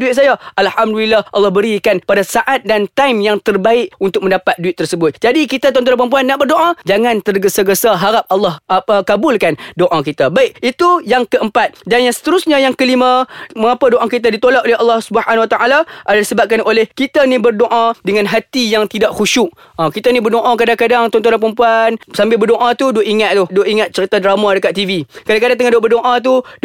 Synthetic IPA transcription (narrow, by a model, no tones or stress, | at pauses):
duɪt̪̚sajaʔalhamdulilːahʔɑ̰lːɑhbəɾikanpadasaʔat̪̚dant̪amjaŋt̪ərbaɪʔunt̪ʊk̚mə̃ndapat̪̚duɪt̪̚ːərsəbʊt̪̚d͡ʒadikit̪at̪̬ɔ̃nt̪ɔnpɾəmp̬uanːaʔbərdoʔãd͡ʒaŋãnt̪ərɡəsaɡəsaɦaɾap̚ɑlːɑhapəkabʊlkandoʔakit̪abaɪʔit̪ujaŋkəəmpat̪̚danjaŋsə̥t̪əɾusɲãjaŋkəlimãməŋapadoʔakit̪̬adit̪olaʔ̪oleɦɑlːɑhsubəhanwat̪aʔalaʔadadisəbap̚kanolɛhkit̪anibərdoʔãdəŋãnɦat̪ijaŋt̪idaʔxuʃuʔ | ãkit̪anibərdoʔãkadaŋkadaŋt̪ɔnt̪ɔnanpəɾəmpuansambɪlbərdoʔãt̪udoiŋat̪̚t̪uhdoʔiŋat̪̚t͡ʃəɾit̪adɾamadəkat̪ːivikadaŋkadaŋt̪əŋãndoʔbərdoʔãt̪̬ud